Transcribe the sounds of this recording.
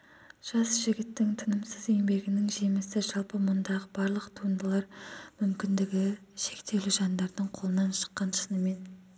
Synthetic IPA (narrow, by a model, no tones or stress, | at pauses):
ʒ̥ɑsʒ̥ɪɡʲɪt̪ːɪŋt̪ʰɪnəmsəze̞ŋbe̞ɡʲɪnɪŋʒe̞mɪsɪʒɑlˠpəmʊnd̪ɑʁəbɑɾlˠəqt̪ʰuənd̪əlˠɑɾmʏmkʲɪnd̪ɪɡʲɪ | ʃe̞kt̪e̞lɪʒɑnd̪ɑɾd̪əɴqʰolˠənɑnʃə̥qːɑnʃənəme̞n